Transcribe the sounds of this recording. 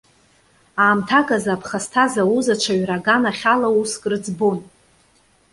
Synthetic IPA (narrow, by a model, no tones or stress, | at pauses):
aːmtʰakʼazapʰχastʰazawuzat͡ʃʷʰaɥraɡanaχʲalauskʼrɨd͡zbon